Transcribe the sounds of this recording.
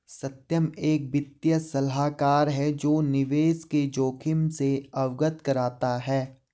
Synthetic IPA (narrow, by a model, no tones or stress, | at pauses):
sɐt̪jəmeːk̚bɪt̪jəsɐlɦaːkaːɾɦɛd͡ʒoːnɪʋeːsked͡ʒoːkʰɪmseɐʋɡət̪kɐɾaːt̪aɦɛː